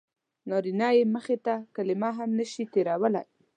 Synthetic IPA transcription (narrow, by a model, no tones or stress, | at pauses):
nɑɾinɑjeməxet̪akalɪmaɦamnəʃit̪eɾawəla̰j